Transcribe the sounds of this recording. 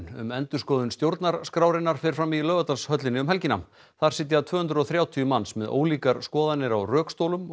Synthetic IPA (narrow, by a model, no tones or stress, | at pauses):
nʏ̰mɛnt̪ʏ̥skɔːðʏnst̪jowɾt̪naɾ̥skɾaːwɾɪnːaɾ̥fɪɾ̥fɾamːilœːvat̪anshœt̪lɪnːɪʏmhɛlcɪna̰m | θaɾ̥sɪt̪̬jat̪ʰv̥œːhʏnt̪ɾʏɔɣθɾjaːwt̪ʰiːʏmansmɛðo̰ːwliːkaɾ̥skɔːðanːɪɾawrœːkst̪owlʏm